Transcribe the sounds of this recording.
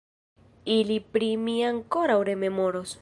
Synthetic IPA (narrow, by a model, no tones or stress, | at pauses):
ilipɾimiaŋko̞ɾawɾe̞me̞mo̞ɾos